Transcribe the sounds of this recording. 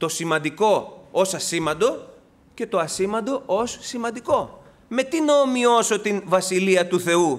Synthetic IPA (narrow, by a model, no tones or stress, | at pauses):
t̪o̞simɐnd̪iko̞osɐsimɐnd̪o̞ | ce̞t̪o̞ɐsimɐnd̪o̞ʔossimɐ̃nd̪iko̞ | me̞t̪inɐomio̞so̞t̪invɐsiliɐt̪uθe̞u